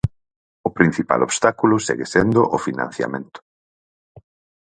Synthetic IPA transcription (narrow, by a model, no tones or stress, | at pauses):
ʊpɾin̟θipa̰lʔoβst̪akulʊsḛɣesend̪ʊʔʊfinã̰n̟θja̰mẽnt̪ʊ̥